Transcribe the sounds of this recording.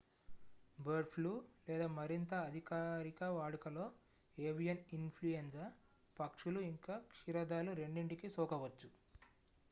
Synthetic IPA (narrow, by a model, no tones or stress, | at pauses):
bɐɾɖpʰluːlɛːd̪aːmɐɾint̪ɐːd̪ʱikaːɾikɐʋaːɽukɐlo̞ː | eːʋijɐninpʰlujensɐ | pɐkʂuluiŋkaːkʂiɾɐd̪aːluɾe̞ɳɖiɳʈikisɔːkɐʋɐt͡ʃːu